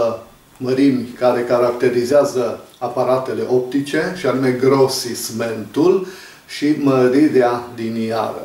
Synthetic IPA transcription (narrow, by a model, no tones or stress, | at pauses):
məɾimʲkaɾe̞kaɾak̚t̪e̞ɾizeazəapaɾat̪e̞le̞ʔo̞p̚t̪it͡ʃe̞ʃianume̞ɡɾo̞sisme̞nt̪ul | ʃiməɾiɾealinia̰ɾə̰